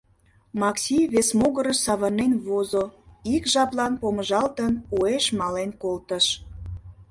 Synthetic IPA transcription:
mɑksʲiβesmoɣəɾəʃsɑβɑnenβozoikʒɑplɑnpoməʒɑlt̪ənueʃmɑlenkolt̪əʃ

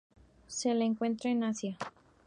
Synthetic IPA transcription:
selaeŋkwe̞nt̪ɾaenasja

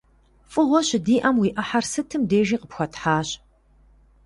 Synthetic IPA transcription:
fʼɨʁʷɔɕɪdiːʔɐmwiːʔɐħarsɨtʰɨmdeːʒiːqəpxʷɔtʰħaːɕ

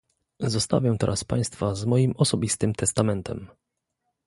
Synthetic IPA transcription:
zɔst̪a̰vʲjɛt̪ɛɾʔaspa̰j̃st̪fazmɔjimɔsɔbʲist̪ɘmt̪ʰɛst̪amɛnt̪ʰɛ̰m

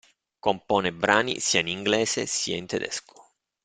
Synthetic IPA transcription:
kompɔːnebɾaːnḭsiainiŋɡlɛːsesiːaint̪ed̪ɛ̰sko̥

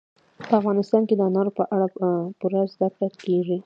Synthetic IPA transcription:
pəafɣɑnɪst̪ɑnked̪ənɑɾopəʔaɽapuɾazd̪afat̪keʐi

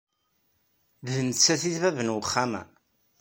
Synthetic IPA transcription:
ðnt͡sːæθiðvævənwəχːamæ̰

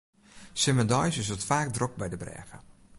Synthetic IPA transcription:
sɪməndɔjsɪsətfaːk̚drok̚bɛjdəbrɛ̰ːɣə̰

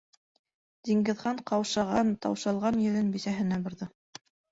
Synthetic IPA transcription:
d̪̥iŋɡɘ̆ðʁɑɴqɑwʃɑʁɑnt̪ɑ̰wʃɑlˠʁɑnjɘ̆lɘnbisæɦɘ̆næbŏɾðɤ

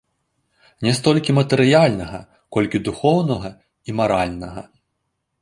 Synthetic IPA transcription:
nʲɛst̪ɔlʲkʲimɐt̪ɛɾɨjalʲnɐɣɐ | kɔlʲkʲid̪uxɔwnɐɣɐ | imaɾalʲnɐɣɐ̰

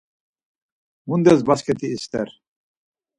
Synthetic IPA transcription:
mund̪ɛzbaskɛt̪ʰiːst̪ɛɾ

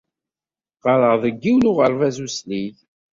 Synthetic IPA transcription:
qɑɾəʁðˤəɡːiwlʊʁəɾˤvæzuslið

